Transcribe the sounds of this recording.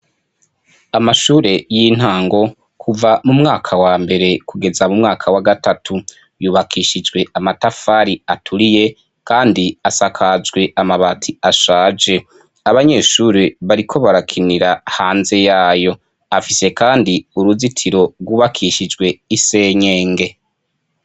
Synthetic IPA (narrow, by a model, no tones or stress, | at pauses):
amaʃuːɾe̞jin̥haːŋɡo̞ | kʰuvamumŋaːkʰawaːmbe̞ɾe̞kuɡe̞zamumŋaːkʰawaɡatatʰu | juːβakʰiʃid͡ʒɡwe̞amatafaɾiatʰuɾije̞ | kaːndiasakʰad͡ʒɡwe̞amaβatʰiaʃaːd͡ʒe̞ | aβaɲe̞ːʃuːɾeβaɾikʰo̞βaɾakʰiniɾahaːnze̞jaːjo̞ | afise̞kʰaːndiuɾuzitʰiɾo̞ɡwuːβakʰiʃid͡ʒɡwe̞ise̞ːɲeːŋɡe̞